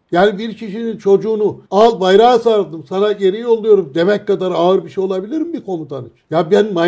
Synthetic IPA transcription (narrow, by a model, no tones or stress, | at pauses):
jaːnibiɾcʰiʃinint͡ʃʰo̞d͡ʒuːnualˠbajɾaːsaɾd̪ɯmsanaɟe̞ɾijo̞lˠːujo̞ɾumd̪e̞mɛc̚kad̪aɾaɯɾbiʃejo̞lˠabilʲiɾimbikʰo̞nud̪anit͡ʃjabænma